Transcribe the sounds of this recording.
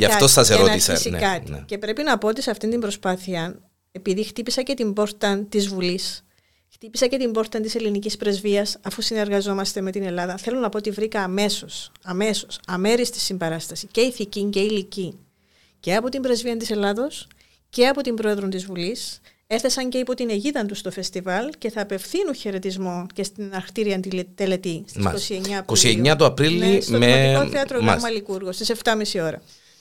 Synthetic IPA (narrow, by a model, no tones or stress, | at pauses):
ɐ̰fɐostɐseɾoissḭkɐt̪ḭce̞pɾe̞pinɐpo̞ot̪iseɐft̪ind̪imbɾo̞spɐθiɐn | e̞piðixt̪ipisɐce̞t̪imbo̞ɾt̪ɐnt̪izvulis | xt̪ipisɐce̞t̪imbo̞ɾt̪ɐnt̪ise̞linicispɾe̞zviɐsɐfusine̞ɾɣɐzo̞mɐst̪e̞me̞t̪ine̞lɐðɐθe̞lo̞nɐpo̞ot̪ivɾikɐːme̞so̞sɐme̞so̞sɐme̞ɾist̪i̥sːimbɐɾɐst̪ɐsice̞iθiciɲce̞ilici | ce̞ɐpo̞t̪imbɾe̞zviɐnt̪ise̞lɐðo̞s | ce̞ɐpo̞t̪imbɾo̞e̞ðɾont̪izvulis | e̞θe̞sɐɲce̞ipo̞t̪ineʝiðɐnt̪ust̪o̞fe̞st̪ivɐlce̞θɐːpe̞fθinuçe̞ɾe̞t̪izmonce̞st̪inɐɾxt̪iɾiɐnt̪it̪ele̞t̪ist̪iskosieɲːɐːpkossieɲːɐt̪oɐpɾilismeikoθeɐt̪ɾo̰mɐlikuɾɣo̞st̪ise̞ft̪ɐmisio̞ɾɐ